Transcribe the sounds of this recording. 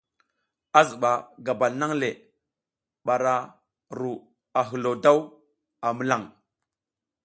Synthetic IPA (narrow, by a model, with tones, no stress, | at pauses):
a˦zu˨ɓa˨ɡa˨ba˨lna˦ŋle˨ | ɓa˨ɾa˨ | ɾu˨ | a˨ɦə˨lo˨da˦w | a˨mə˦la˦˨ŋ